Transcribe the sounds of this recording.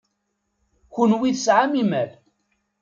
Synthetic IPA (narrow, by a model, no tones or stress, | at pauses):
çunwiðsʕamimæl